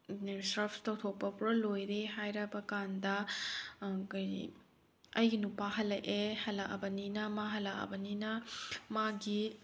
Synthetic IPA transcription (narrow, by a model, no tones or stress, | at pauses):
sɾɐpʰtɐwtʰok̚pɐpuɾɐlojɾeɦajɾɐbɐkandɐ | kj̰ | ɐjɡinupaɦɐlɐʔehɐlɐʔɐ̰bɐninɐmaɦɐlɐʔɐ̰bɐninɐmaɡi